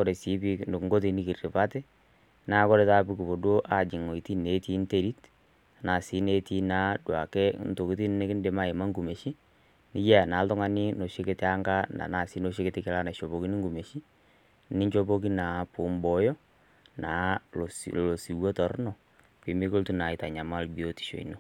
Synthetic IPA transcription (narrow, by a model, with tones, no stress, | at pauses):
kɔ˦ɾe˨si˨˦pi˦n˨ŋɡo˦t̬i˦˨ni˦ki˨rrɪ˨pa˦tɛ˦ | na˨˦kɔ˦ɾe˨˦taː˦pi˦ku˨bo˨do˦ʔa˨d͡ʒɪ˨ŋo˨i˨ti˦ne˨˦ti˦n˦te˦ɾi˦t | na˨si˦ne˦ti˦naː˨˦dwa˨kɛ˦n˨to˨ki˦ti˦n˦nɪ˦kɪ˦nde˨ma˦˨ɪ˨ma˦ŋɡu˨me˨ʃi˦ | nɪ˦ja˦˨na˨˦ltɔ˦ŋa˦ni˦no˨ʃi˦ke˦te˦a˦ŋɡa˦na̰˨na˨si˦no˨ʃi˦ke˦tɪ˦kɪ˨la˦na˨ʃo˨bo˨ki˦ni˦ŋɡu˨me˨ʃi˦ | nɪ˦ɲt͡ʃo˦po˦ki˦na˨pʊ˨mbɔ˦jɔ˦ | naː˨˦˨slo˨si˨wo˦tɔ˨ɾnɔ˨ | pi˨mi˦ko˦ltu˦na˨ɪ˨ta˨ɲa˨ma˦lbi˨o˦ti̥˨ʃo̰˨ḭ˨no˦